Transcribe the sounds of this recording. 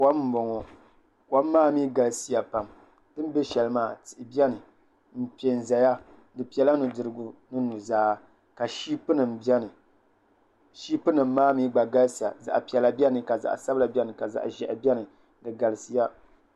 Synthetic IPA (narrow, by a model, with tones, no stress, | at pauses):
kwa˦m̩˦bɔ˨ŋɔ˨ | kwa˦mː˦aː˦miː˦ɡa˨lsi˦ja˨pa˨m | dɨ˦m˦be˦ʃɛ˨lmaː˦˨tɨ˨ʔɪ˨bi˦ɛ˦nɨ˨ | m̩˦˨pi˨e˨n˨za˨ja˦ | dɨ˨pi˨ɛ˨la˦nu˨dɨ˨ɾɨ˨ɡʊ˨nɨ˦nu˨zaː˦ | ka˨ʃiː˦pɨ˦nɨ˨m˨bɛ˦nɨ˨ | ʃiː˦pɨ˦nɨ˨mː˦aː˦miː˦ɡ͡ba˨ɡa˦lsja̰˨za̰˨ʔpi˨ɛ˨la˨bi˦ɛ˦nɨ˨ka˨za̰˨ʔsa˦bɨ˦la˨bʲɛ˦nɨ˨ka˨za̰˨ʔʒɛ˨ʔbɛ˦nɨ˨ | dɨ˨ɡa˨lɨ˨sɨ˨˦ja˦